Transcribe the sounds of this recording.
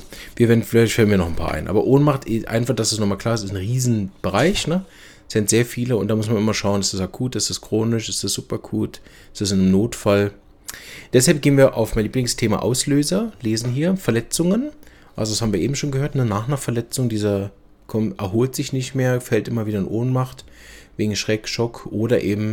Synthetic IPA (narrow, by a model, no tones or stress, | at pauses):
viːɐveːɐdn̩fɪlaɪçtfalənviːɐnɔχn̩pʰa̰ːɐʔa̰ɪnʔa̰ːbɐ̰ʔoːnmaχtɪʔa̰ɪnfaχd̥asdɛsnɔχmaːlkl̥aːɐɪsɪsnʁiːzn̩b̥əʁaɪçnə | sɪntz̥eːɐfiːləʊntd̥aːmʊsmanʔɪmɐʃaʊənɪstasakʰuːtɪstaskʁ̥oːnɪʃɪstasz̥uːpɐakʰuːt | ɪstasɪnmnoːtfal | d̥ɛshalp̚ɡ̥eːənviːɐʔa̰ʊfmaɪnliːplɪŋstʰeːma̰ʔa̰ʊsløːzɐleːzn̩ɦiːɐfɛɐlɛt͡sʊŋən | ʔa̰lzodashaːbm̩viːɐeːbm̩ʃoːnɡəhøːɐtnənaːχnɐfɛɐlɛt͡sʊŋdiːzɐ | kʰɔmʔɛɐɦoːltz̥ɪçnɪçtmeːɐfɛltʔɪmɐviːɾɐɪnʔoːnmaχt | veːɡŋ̩ʃʁ̥ɛːkʃɔkʰʔoːɾɐʔeːbm̩